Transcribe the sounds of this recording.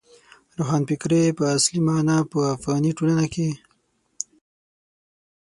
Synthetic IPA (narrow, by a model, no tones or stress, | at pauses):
ɾoxɑnpɪkɾepəaslimɑnapəafɣɑniʈolanake